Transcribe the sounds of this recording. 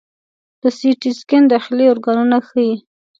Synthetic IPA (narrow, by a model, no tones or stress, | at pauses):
d̪̥əsiʈiskɪnd̪ɑxɪleʊɾɡɑnunaxəi